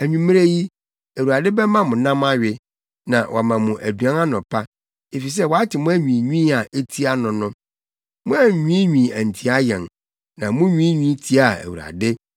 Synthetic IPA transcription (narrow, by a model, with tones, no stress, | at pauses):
æ˨ɲᶣũ˨mɪ̃˦ɾe˦ji˦ | æ˨wu˨ɾa˨dɪ˦bɛ˦mã˦mʊ̃˨nã˦ma˦ɥɪ˨ | nã˨wʔɔ˨mã˨mʊ̃˨ʔæ˨du˨ã˦na˦nʊ̃˨pʰa˦ | e˨fi˨s̬ɛ˦wa˦tʰɪ˨mʊ̃˦æ˦ɲᶣĩ˨ɲĩ˦a˨ʔe˦tʰi˦a˦nʊ̃˨nʊ̃˦ | mʊ̃˦a˦˨ɲᶣũ˦ɲᶣĩ˨æ˨n˨tʰi˨˦a˦jɛ˨n | nã˨mʊ̃˦ɲũ˦ɲũ˦tʰi˦a˦˨æ̰˨wṵ˨a̰˨dɪ˦